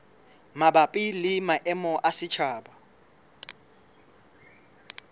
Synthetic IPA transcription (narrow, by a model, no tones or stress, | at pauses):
mabapʼɪlɪmaʔɛmɔʔasɪt͡ʃʰaːba